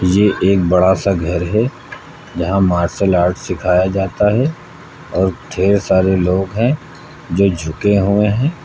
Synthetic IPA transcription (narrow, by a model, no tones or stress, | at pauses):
jeʔeːk̚bɐɽasaɡʱɐɾɦɛ | d͡ʒɐɦãmaːɾsəlaːɾʈʰsɪkʰaːjad͡ʒaːt̪aɦɛ | ɔːɾʈʰeːɾsaːɾeloːɡɦɛ̃ | d͡ʒoːd͡ʒʱʊkeɦʊẽɦɛ̃ː